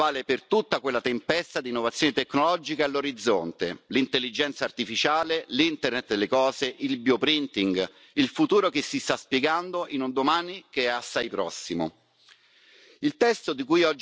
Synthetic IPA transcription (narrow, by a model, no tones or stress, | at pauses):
aːlepert̪ut̪ːakwelːat̪empɛst̪ad̪iːnːovat̪sjoːnet̪ekːnolɔd͡ʒikaalːoɾid̪zːont̪elint̪elːid͡ʒɛnt̪saːrt̪ifit͡ʃaːlelint̪ernet̪d̪elːekɔːseʔilbjopɾint̪iŋɡ | ilfut̪uːɾokesːist̪aspjeɡand̪oʔinund̪omaːnikeɛasːajpɾɔsːimo̰ | ilt̪ɛst̪od̪ikujɔd͡ʒ